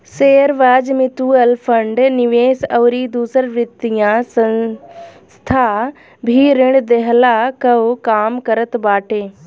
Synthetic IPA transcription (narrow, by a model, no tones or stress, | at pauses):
seːɾʋaːd͡ʑmɪt̪uːəlfʰɐɳɖnɪʋeːsɐʋɾid̪uːsəɾʋɪt̪ijãsɐ̃ | st̪ʰa | bʱiɾɪɽ̃d̪eɦlakɐkaːmkɐɾət̪baːʈʰeː